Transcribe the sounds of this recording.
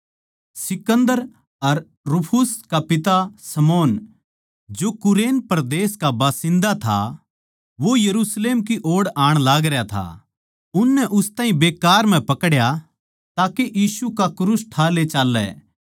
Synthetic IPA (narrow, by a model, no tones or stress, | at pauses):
sɪkə̃nd̪əɾ | ɐɾ | ɾʊpʰʊskapɪt̪asɐmɔːn | d͡ʒoːkʊɾeːnpɐɾd̪eːskabaːsɪ̃nd̪at̪ʰa̰ | ʋojɐɾuːsleːmkiʔoːɽaːɽ̃laːɡɾjat̪ʰa̰ | ʊnːɛʔʊst̪aːɦĩbeːkaːɾm̤ɛ̃pɐkɽja | t̪aːkeʔjiːsukakɾusʈʰaːlet͡ʃaːlːɛ̰ː